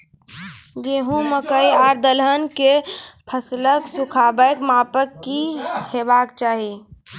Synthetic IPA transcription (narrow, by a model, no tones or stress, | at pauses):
ɡeːɦũməkəiaːɾd̪əlɦənkepʰəsləksʊkʰaːbəjkmaːpəkːiheːbaːkt͡ʃaːɦi